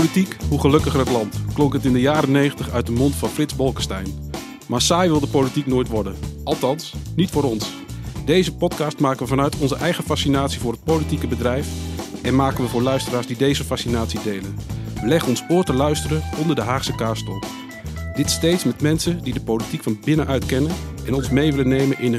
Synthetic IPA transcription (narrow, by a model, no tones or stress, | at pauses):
olitikɦuχəlɵkəχərətlɑntklɔŋkətɪndəjaːɾənejχəntəχœɥt̚dəmɔntfɑnfrɪtzbɔlˠkəstɛjn | maːɹsaːjʋɪlˠdəpowlitiknoːjtʋɔɹdənɑlˠtɑnsnitfʊːɾɔns | dejzəpɔtkɑːstmaːkəʋəvɑnœɥtʰɔnzəʔɛjχəfasinaːtsivʊːrɦət̚powlitikəbədrɛjfɛnmaːkənʋəvʊːɹlœɥstəraːɹzdidejzəfasinaːtsidejlənʋəlɛχənɔnsʊːɹtəlœɥstərəɔndəɹdəɦaːχsəkaːɹstɔ | d̥ɪtstejtsmɛtmɛnsədidəpowlitikfɑnbɪnəʔœɥtkɛnənʔɛnɔnsmejʋɪlənejmənʔɪnə